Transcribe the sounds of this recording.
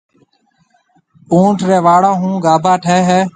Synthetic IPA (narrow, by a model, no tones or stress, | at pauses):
ũːɳʈʰɾeːʋaːɽãːɦũːɡaːbʱaːʈʰeːɦɛː